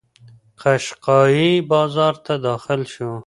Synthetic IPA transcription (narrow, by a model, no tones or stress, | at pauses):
qʰaʃqɑːjibɑːzɑːɾt̪ʰad̪ɑːxɪlʃu